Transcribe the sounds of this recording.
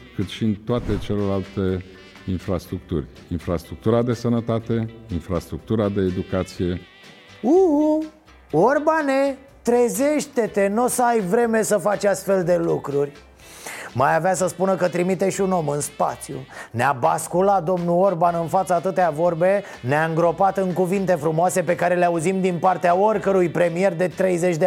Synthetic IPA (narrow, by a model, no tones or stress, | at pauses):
kɨt̪ʃiɨnt̪oat̪e̞t͡ʃeloɾalt̪e̞ | infɾast̪ɾuk̚t̪urʲ | infɾast̪ɾuk̚t̪uɾad̪e̞sənət̪at̪e̞infɾast̪ɾuk̚t̪uɾad̪e̞ːd̪ukat̪sije̞ | u | orbane | t̪ɾe̞zeʃt̪e̞t̪e̞nosəajvɾe̞me̞səfat͡ʃast̪fe̞ld̪e̞lukɾurʲ | majaveasəspunəkət̪ɾimit̪e̞ʃʲuno̞mɨnspa̰t̪sijṵneabaskulat̪̚d̪o̞mnuo̞rbanɨnfat̪saːt̪ɨt̪eavo̞rbe̞ | neaɨŋɡɾo̞pat̪ɨŋkuvint̪e̞fɾumoase̞pe̞kaɾe̞leauzimd̪inpart̪eaorkəɾujpɾe̞mie̞rd̪e̞t̪ɾe̞jze̞t͡ʃʲd̪e